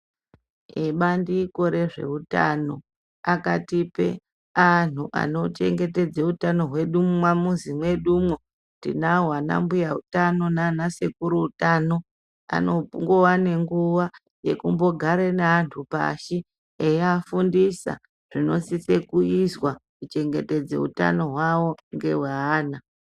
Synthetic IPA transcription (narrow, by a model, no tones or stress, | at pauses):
eɓandiko̞ɾe̞ʐe̞̰uta̰no̞ | akatipe̞̰ | an̤uʔa̰no̞t͡ʃe̞̰ŋɡe̞te̞d͡zeutano̞ɦwe̞ɗummwamuzimwe̞ɗumwo | tdḭnaɦwana̰mbujautano̞nanasekuɾuutaːno̞ | a̰no̞puŋɡowane̞ŋɡuʋa | je̞kumbo̞ɡʱaɾeneantʰupa̰ʃi | ejafundisa̰ | ʐ̥ino̞sise̞kuizwakut͡ʃe̞ŋɡe̞te̞d͡ze̞̰ṵta̰no̞ɦwawo̞ŋɡe̞ɦwaaːna